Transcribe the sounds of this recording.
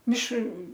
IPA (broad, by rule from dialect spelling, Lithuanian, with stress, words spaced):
ˈmʲɪʃr